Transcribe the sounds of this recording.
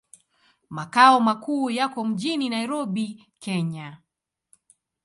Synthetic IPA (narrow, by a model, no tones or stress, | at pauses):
makaɔmakuːjakɔm̩ʄininaiɾɔɓi | kɛɲa